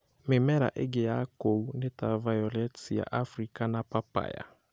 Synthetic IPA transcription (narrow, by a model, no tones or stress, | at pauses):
mɪmɛɾa̰ʔɪɡɪjakounɪtavajɔlɛtija̰ʔafɾikanapapa̰ja̰